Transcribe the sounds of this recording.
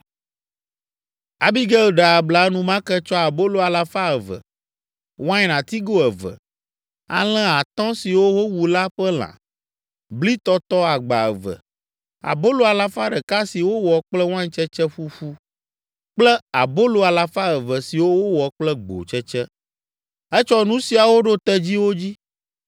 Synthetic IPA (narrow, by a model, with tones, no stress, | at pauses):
a˨bi˦ɡɛ˦u˨ɖa˨bla˨˦nũ˦mã˦kɛ˦t͡ʃɔ˦a˨bo˦lo˨a˨la˦fa˦ə˨və̰˨ | wo˦ã˦ɲɛ˨nã˨t̪i˦ɡo˦ɛ˨və̰˨ | a̰˨l̃ɛ̃˦a˨t̪ɔ̃˦si˨wo˦wo˦wu˨la˦ɸɛ˦l̃ã̰˨ | bli˦t̪ɔ˦t̪ɔ˦a˨ɡ͡ba̰˨ə˨və̰˨ | a̰˨bo˦lo˨a˨la˦fa˦ɖɛ˨ka˦si˨wo˦wɔ˨k͡plɛ˦wã˦t͡ʃɛ˦t͡ʃɛ˦ɸu˦ɸu˦ | k͡plɛ˦a̰˨bo˦lo˨a˨la˨fa˦ə˨və˨si˨wo˦wo˦wɔ˨k͡plɛ˦ɡ͡bo̰˨t͡ʃɛ˦t͡ʃɛ˦ | ɛ˦t͡ʃɔ˦nũ˦si˨a˨wo˦ɖo˦t̪ɛ˦d͡ʑi˦wo˦d͡ʑi˦